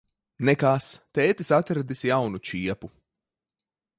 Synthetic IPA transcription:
nɛkaːst̪ɛːt̪isat̪ɾad̪isjawnut͡ʃiɛpu

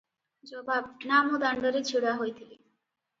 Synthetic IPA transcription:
d͡ʑɔbab̚namod̪aɳɖoɾet͡ɕʰiɽaɦojt̪ʰili

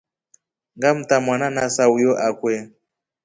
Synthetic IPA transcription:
ŋɡam̩tamwananasaujɔʔakwɛ

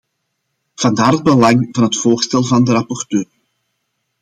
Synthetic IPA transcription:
v̥ɑndaːrɦəd̚bəlɑŋvɑnɦətfoːrstɛlˠvɑndəɾɑpɔrtøːr

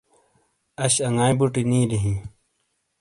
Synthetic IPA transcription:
ɐɕɐŋaːĩbuʈinĩːɾiɦĩ

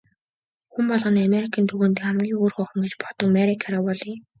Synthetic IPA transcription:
xumpɔɮʁɞ̆nameɾikʰaːnt̪ʰuɣoːnt̪ɘ̆kχæmɡʲiːŋurχʊχə̆mɡet͡ɕpɔ̥t̪ɞ̆kmeɾikʰaɾawɔɮiː

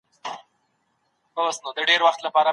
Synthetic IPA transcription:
osnod̪əɖeɾwaxt̪lapɑɾa

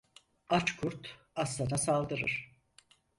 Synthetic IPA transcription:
at͡ʃkʰuɾt̪ʰ | aslˠanasalˠd̪ɯɾɯ̰ɾ̥

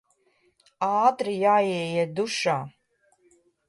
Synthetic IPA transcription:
aːt̪ɾijaːjɛjɛd̪uʃaː

